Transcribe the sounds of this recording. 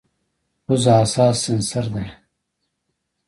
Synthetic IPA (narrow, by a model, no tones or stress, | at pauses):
uzaːsaːsinsɐɾd̪e